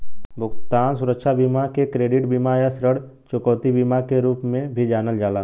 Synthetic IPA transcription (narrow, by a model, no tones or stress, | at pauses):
bʱʊɡt̪aːnsʊɾəkʃabiːmakekɾeːɖɪʈbiːmajasɾəɽ | t͡ʃʊkɔːt̪ibiːmakeɾuːpmẽbʱid͡ʒaːnəld͡ʒaːlaː